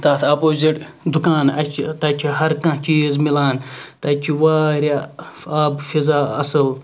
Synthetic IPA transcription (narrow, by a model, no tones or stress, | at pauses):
t̪ɐːt̪ʰɐpoːziʈ | d̪ukaːnɐt͡ʃʰit̪ɐt͡ʃʰiɦɐɾkɐ̃t͡ʃiːzmilaːnt̪ɐt͡ʃʰiʋaːɾʲa | aːbfizaːɐsɨl